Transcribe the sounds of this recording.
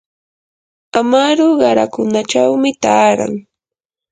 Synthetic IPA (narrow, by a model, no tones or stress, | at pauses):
amaɾʊɢɑɾakʊnaʈ͡ʂawmɪt̪aːɾa̰ŋ